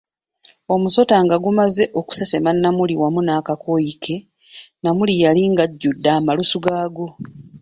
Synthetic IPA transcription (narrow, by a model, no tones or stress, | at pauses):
o̞muso̞taŋɡaɡumaze̞ʔoku̥sese̞manːamuliwamunaːkako̞jikʰe̞ | namulijaliŋɡaɟːudːaːmalusuɡaːɡo̞